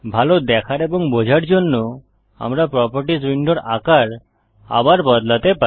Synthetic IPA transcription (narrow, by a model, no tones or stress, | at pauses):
bʱalod̪ɛkʰaɾebɔŋbod͡ʒʱaɾd͡ʒonːo | a̰mɾapɾɔpɔɾʈisɾiɳɖɔɾa̰kaɾ | a̰baɾbɔd̪lat̪epa